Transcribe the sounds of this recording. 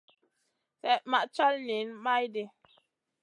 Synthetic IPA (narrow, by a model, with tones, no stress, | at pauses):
sɛ˦˨ʔma˨ʔt͡ʃa˦lni˨˦nma˦jde˨